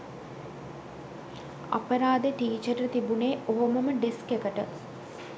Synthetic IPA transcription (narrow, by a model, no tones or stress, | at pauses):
a̰pəɾaːd̪et̪iːt͡ʃəʈət̪ibuneːoɦoməməɖeskekəʈə